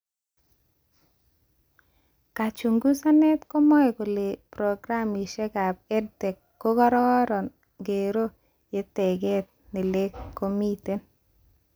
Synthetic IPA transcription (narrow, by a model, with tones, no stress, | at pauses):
ka˨t͡ʃu˨ŋɡu˦sa˦nɛ˦t̪ko˦mɔ˦ɛ˨ko˨le˨pɾo˨ɡɾa˦mi˨ʃe˦ka˨pe˦dte˨kːo˦ɡɔ˦ɾɔ˦ɔ˦ɾɔ˨n | ɡe˨ɾo˦ | je˦te˨ɡe˦t̚nɪ˨le˦kːo˨mi˦te˦n